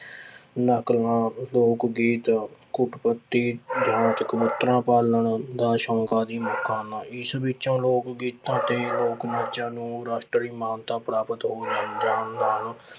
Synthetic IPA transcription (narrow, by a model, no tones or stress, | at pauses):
nəklãːloːkɡiːt̪kʊʈpət̪ːiːd̪ʱãːnt̪kəbʊt̪ɾãːpaːləɳd̪aːʃɔ̃ːŋkãːd̪iːmʊkʰːãːnaːɪsbɪtːt͡ʃãːloːkɡiːt̪ːãːt̪eːloːkmətːʃãːnũːɾaːʃʈɾəɾiːmaːnt̪ãːpɾaːpət̪ɦoːd͡ʒaːnd̪ʱjaːnnaːl